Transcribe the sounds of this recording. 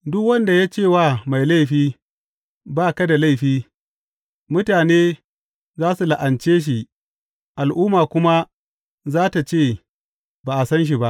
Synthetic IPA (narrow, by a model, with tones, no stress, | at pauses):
dʊ˦kwɐ˦nda˨jaː˦t͡ʃeː˦˨waː˦˨ma˨jla˦jɸiː˦ | baː˦˨ka˦da˨la˦˨jɸiː˦ | mʊ˦taː˨neː˦ | zaː˦su˨la˨ʔa˨nt͡ʃeː˦ʃ̬i˨ʔ | ʔa˨lʔʊː˦maː˨kʷʊ˦ma˦ | zaː˦ta˨t͡ʃeː˦˨ | baː˨ʔa˨sɐ˦nʃ̬i˨ba˦ʔ